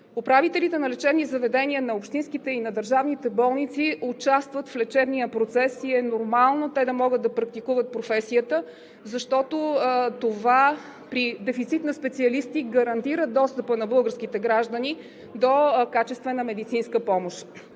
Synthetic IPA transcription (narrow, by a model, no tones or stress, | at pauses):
ʊpɾavit̪ɛlit̪ɛnɐlɛt͡ʃɛb̪nizɐvɛd̪ɛniənɐopʃt̪ĩnskit̪ɛinɐd̪əɾʒavnit̪ɛbɔlˠnit̪siʊt͡ʃast̪vət̪flɛt͡ʃɛbnijəpɾot̪sɛsiɛnoɾmalˠnot̪ɛd̪ɐmɔɡəd̪d̪ɐpɾɐk̚t̪ikuvət̪̚pɾofɛsiət̪ə | zɐʃt̪ɔt̪ot̪ova | pɾid̪ɛfit̪sit̪nɐspɛt̪siɐlist̪iɡəɾɐnt̪iɾəd̪ɔst̪əpənɐbɤlˠɡəɾsk̟it̪ɛɡɾaʒd̪əni | d̪okat͡ʃɛst̪vɛnəmɛd̪it̪sinskəpɔmoʃ